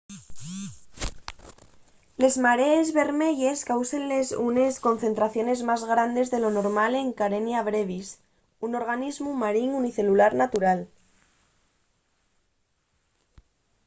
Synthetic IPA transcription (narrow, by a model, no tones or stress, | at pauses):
le̞zmaɾeːzβe̞ɾme̞ʝe̞skawsenlesune̞sko̞nθe̞nt̪ɾaθjo̞ne̞zmazɣɾand̪e̞zðe̞lo̞no̞ɾmale̞ŋkaɾe̞njaβɾe̞β̞is | uno̞ɾɣanizmumaɾiŋuniθe̞lulaɾnat̪uɾal